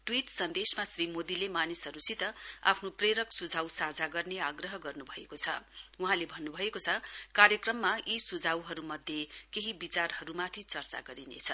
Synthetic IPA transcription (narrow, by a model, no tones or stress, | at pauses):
ʈwiʈsʌnd̪esmasrimod̪ilemanisɦʌɾusit̪ʌa̰pʰnopreɾʌksud͡zʱawsad͡zʱaɡʌrneaɡrʌɦʌɡʌrnubʱʌekot͡sʰʌ̰uɦãlebʱʌnːubʱʌekot͡sʰʌkaɾjʌkrʌmːaisud͡zʱawɦʌɾumʌd̪ʱjekeɦibit͡sarhʌɾumat̪ʰit͡sʌrt͡sa̰ɡʌɾinḛt͡sʰʌ